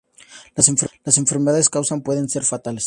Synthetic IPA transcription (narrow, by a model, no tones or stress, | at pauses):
lase̞ɱfelase̞ɱfe̞ɾmeðaðeskawsampwe̞ðe̞nse̞ɾfat̪ales